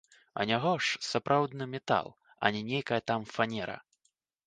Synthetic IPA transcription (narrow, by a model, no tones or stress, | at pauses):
ɐ̰nʲaɣɔʂsapɾʔawd̪nɨmʲɛt̪a̰lˠ | ɐ̰nʲɛnʲejkɐjɐt̪amfanʲɛɾɐ̰